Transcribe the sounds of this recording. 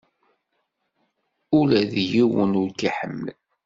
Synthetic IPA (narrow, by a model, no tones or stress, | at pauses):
ʊlæðjiwənʊɾkiħə̰mːl